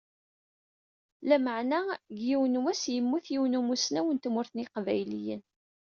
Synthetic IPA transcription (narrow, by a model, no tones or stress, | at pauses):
læməʕnæɡjiwnwæsjəmːuθjiwnumusnæwənt̪mʊɾθniqvæjlijə̰n